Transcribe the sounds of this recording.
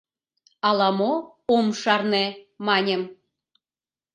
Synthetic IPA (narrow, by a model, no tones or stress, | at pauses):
ɑlɑmo | omʃɑrnemɑnʲem